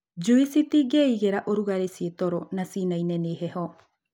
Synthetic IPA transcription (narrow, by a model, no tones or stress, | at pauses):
d͡ʒuisit̪iɡeiɡeɾaʔoɾuɡaɾesiet̪oɾonasinajneniɦeho